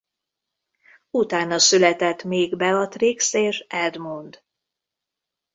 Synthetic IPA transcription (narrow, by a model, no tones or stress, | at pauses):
ut̪aːnɒsylɛt̪ɛt̪ːmeːɡbɛɒt̪rekseːʃɛd̪mund̪